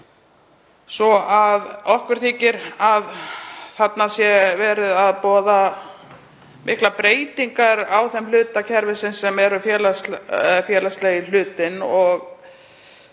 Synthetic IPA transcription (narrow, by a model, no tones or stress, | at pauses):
sɔaðɔhkvʏɾ̥θiːcɪɾaðθat̪nasjɛvɛːɾɪðaðpɔːða | mʔɪhklapɾeːjt̪iŋkaɾawθɛmlʏːt̪acʰɛɾvɪsɪnsːɛmɛɾʏfjɛːlasfjɛːlast̪lejɪl̥ʏːt̪ɪnɔɣ